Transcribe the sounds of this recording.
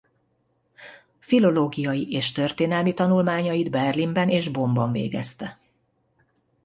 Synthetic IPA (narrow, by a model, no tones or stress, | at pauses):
filo̞loːɡijɒjiʔeːʃt̪ørt̪eːnɛlmit̪ɒnulmaːɲɒjid̪bɛrlimbɛneːʒbo̞mbɒɱvḛːɡɛst̪ɛ